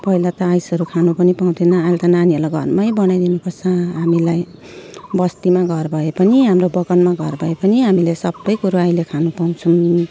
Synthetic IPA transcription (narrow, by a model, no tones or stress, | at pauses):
pʌilat̪ʌajsʌɾukʰanupʌnipaw̃d̪enʌalt̪ʌnaniʌlaɡʱʌ̰rmʌjbʌnajd̪inupʌrt͡sʰʌɦamilaj | bʌst̪imaɡʱʌrbʱʌepʌniɦamrobʌɡʌnmaɡʱʌrbʱʌepʌniɦamilesʌbːʌjkuɾuajlekʰanupaw̃t͡sʰun